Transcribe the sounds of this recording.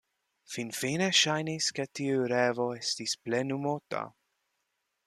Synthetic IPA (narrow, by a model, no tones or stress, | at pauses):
finfineʃajnisketiuɾevo̞estisplenumota̰